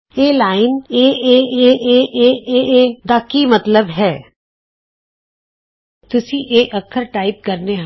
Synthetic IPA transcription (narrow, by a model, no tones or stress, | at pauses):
eːlaːɪneːeːeːeːʔeːeːeːd̪aːkimət̪ləbɦɛː | t̪ʊsĩʔeːʔəkʰːəɾʈaːɪp̚kɐɾneɦ